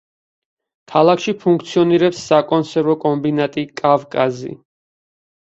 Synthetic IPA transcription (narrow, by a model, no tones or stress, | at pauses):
kʰalˠakʰʃipʰuŋkʰt̪sʰiɔniɾɛpsːakʼɔnsɛɾvɔkʼɔmbinat̪ʼikʼavkʼazḭ